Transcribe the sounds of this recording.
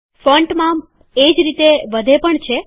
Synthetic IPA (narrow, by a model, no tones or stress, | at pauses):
fəɳʈmã | ed͡ʒɾit̪eʋəd̪ʱepəɳt͡ʃʰe